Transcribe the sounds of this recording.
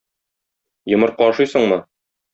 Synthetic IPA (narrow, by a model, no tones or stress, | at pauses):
jɤ̆mɤɾqɒʃɤjsɤ̆ɴmɤ